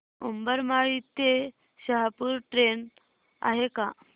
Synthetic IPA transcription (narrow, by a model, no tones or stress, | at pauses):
umbəɾmaɭit̪e | ɕəɦapuɾʈɾen | a̰ɦeka